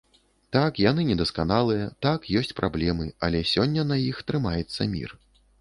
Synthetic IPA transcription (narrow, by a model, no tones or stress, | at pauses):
t̪akjan̪ɨnʲɛd̪ɐskanalˠɨjɐt̪akjɔsʲt͡sʲpɾʔablʲɛmɨɐ̰lʲɛsʲɔnʲːɐnɐjixt̪ɾɨmajɛt̪sːɐ̰mʲḭr